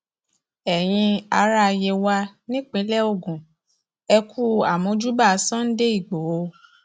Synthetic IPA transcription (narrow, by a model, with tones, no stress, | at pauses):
ɛ˨j̃ĩ˧a˧˦ɾa˦˧je˧wa˧nĩ˦k͡pĩ˨˦lɛ˦o˦˨ɡũ˨ | ɛ˧kʰu˦a˨mõ˧˦d͡ʒu˦ba˦˨˦sɔ̃˦n̩˦de˦i˦˨ɡ͡bo˨o˨˧˦